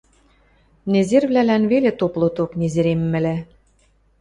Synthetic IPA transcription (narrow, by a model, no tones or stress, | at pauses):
nezerβlælænβelet̪oplˠŏt̪oknʲezeɾemːɘ̆læ